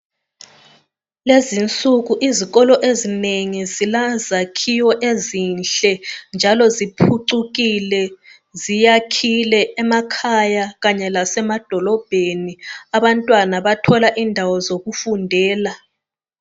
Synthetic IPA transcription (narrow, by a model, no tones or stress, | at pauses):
lezint͡sʼuɣuʔiziɣɔlɔʔezineŋizilazakʰiwɔʔezinɬɛnd͡ʒʱalɔzipʰuǀuɣilɛ | zijakʰilɛɛmakʰajaɣaɲɛlasɛmad̥ʱɔlɔb̥ʱeniaβantʼwanaβatʰɔlaʔindʱawɔzoɣufundʱɛːla